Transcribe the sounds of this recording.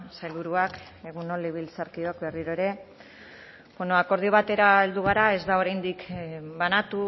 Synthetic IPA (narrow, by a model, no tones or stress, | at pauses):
sajlβuɾuak | e̞ɣunoleβilt͡saɾkiokbe̞riɾo̞eɾe̞ | b̥we̞no̞ako̞ɾð̞ioβ̞at̪e̞ɾaeld̪uɣ̞aɾae̞zd̪ao̞ɾajnd̪ikbanat̪u